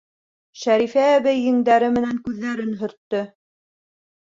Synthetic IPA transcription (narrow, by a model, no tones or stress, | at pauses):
ʃæɾifæːβæjːɘ̆ŋd̪æɾɘmɘ̆næŋkʉðːæɾɘnɦɵ̆ɾt̪ːɵ